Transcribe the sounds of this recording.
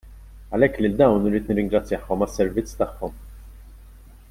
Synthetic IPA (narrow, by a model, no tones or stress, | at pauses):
ɐlɛkːlɪld̪ɐwnɪɾiːt̪nɪrːɪŋɡɾɐt͡sːjɐħɔmɐsːɛɾvɪt͡sːt̪ɐħːɔm